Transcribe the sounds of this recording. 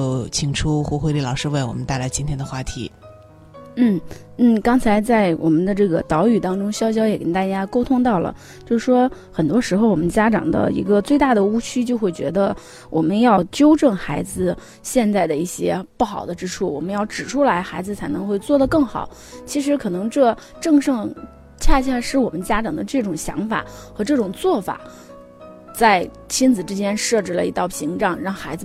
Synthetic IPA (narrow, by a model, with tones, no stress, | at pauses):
t͡ɕʰi˨˩ŋʈ͡ʂʰu˥xu˧˥xwe˥˧ɪli˥˩lɑ˨˩ʊʂɻ̩˥˧we˥˩ɪwɔ̰˨˩mə˦nt̪a˥˩ɪla˧˥ɪt͡ɕi˥nt̪ʰjɛ˥nd̪ə˧xwa˥˩t̪ʰḭ˧˥ | n̩˥˩ | n̩˥˩kɑ˥ŋt͡sʰa˧˥ɪt͡sa˥˩ɪwʔɔ̰˨˩mə˦nd̪ə˧ʈ͡ʂɤ˥˩ɡə˩t̪ɑ˧˥ʊy˨˩t̪ɑ˥ŋʈ͡ʂʊ˥ŋɕjɑ˥ʊɕ̬jɑ˥ʊjɛ˨˩kə˥nt̪a˥˩t͡ɕja˥ko˥ʊt̪ʰʊ˥ŋt̪ɑ˥˩ʊlə̰˩ | t͡ɕjo˥˧ʊʂ̩˥˩ʂwɔ˥ | xə˨˩nt̪wɔ˥ʂɻ̩˧˥xo˧ʊwɔ˨˩mə˦nt͡ɕja˥ʈ͡ʂɑ̰˨˩ŋd̪ə̰˦ḭ˧˥ɡə˧t͡swe˥˧ɪt̪a˥˩d̪ə˩u˥t͡ɕʰy˥t͡ɕjo˥˧ʊxwe˥˩ɪt͡ɕɥɛ˧˥d̪ə˧ | wʔɔ˨˩mə˦njɑ˥˩ʊt͡ɕjo˥ʊʈ͡ʂə˥˩ŋxa˧˥ɪd͡zɹ̩˧ | ɕjɛ˥˧nt͡sa˥˩ɪd̪ə˩i˥˩ɕjɛ̰˥pu˥˩xɑ˨˩ʊd̪ə˦ʈ͡ʂɻ̩˥ʈ͡ʂʰu˥˩wɔ̰˨˩mə˦njɑ˥˩ʊʈ͡ʂɻ̩˨˩ʈ͡ʂʰu˥la˧˥ɪxa˧˥ɪd͡zɹ̩˧t͡sʰa˧˥ɪnɤ˧˥ŋxwe˥˧ɪt͡swɔ˥˩d̪ə˩kɤ˥˩ŋxɑ̰˨˩˦ʊ | t͡ɕʰi˧˥ʂ̬ɻ̩˧˥kʰɤ˨˩nɤ˧˥ŋʈ͡ʂɤ˥˧ | ʈ͡ʂɤ˥˧ŋʂɤ˥˧ŋ | t͡ɕʰja˥˧ɕ̬ʰja˥˧ʂɻ̩˥˩wɔ˨˩mə˦nt͡ɕja˥ʈ͡ʂɑ˨˩ŋd̪ə˦ʈ͡ʂɤ˥˩ʈ͡ʂʊ˨˩ŋɕjɑ̰˧˥ŋfa̰˨˩˦xɤ˧˥ʈ͡ʂɤ˥˩ʈ͡ʂʊ˨˩ŋt͡swɔ˥˩fa̰˨˩˦ | t͡sa˥˩ɪ | t͡ɕʰi˥nd͡zɹ̩˨˩ʈ͡ʂɻ̩˥t͡ɕjɛ˥nʂɤ˥˧ʈ͡ʂɻ̩˥˩lə̰˩i˧˥t̪ɑ˥˩ʊpʰi˧˥ŋʈ͡ʂɑ˨˩ŋɻɑ˥˩ŋxa˧˥ɪd͡zɹ̩˧